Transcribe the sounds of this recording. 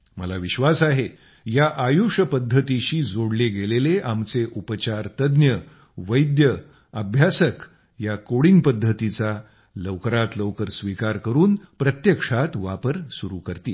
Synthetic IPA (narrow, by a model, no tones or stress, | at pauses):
mə̰laʋiɕʋasaɦe | jaʔajuʂəpəd̪ʱːət̪iɕiːd͡zoɽleɡeleleʔamt͡seʔupət͡ɕaɾt̪əd̪njə | ʋəjd̪jə | əbʱjasək | jakoɽiːnpəd̪ʱːət̪it͡sa | ləwkəɾat̪ləwkəɾsʋikaɾkəɾuːnpɾət̪jəkʂat̪ʋapəɾsuɾukəɾt̪ḭː